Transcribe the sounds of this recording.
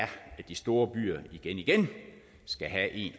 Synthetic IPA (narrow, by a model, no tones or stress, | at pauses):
ɐæ̥isd̥o̝ːɐb̥y̰ːɐiɡ̥eniɡ̥en | sɡ̥æɦæʔe̝̰ːn